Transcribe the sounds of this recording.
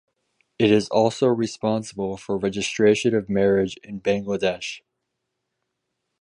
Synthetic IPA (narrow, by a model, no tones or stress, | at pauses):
ɨɾɪzɔlˠsoʊɹɨspɑ̃nsəbl̩ˠfə˞ɹɛd͡ʒɨstɹ̥eɪʃɨ̃nʌvmɛɹɪd͡ʒɪ̃nbæ̃ŋɡlədɛʃ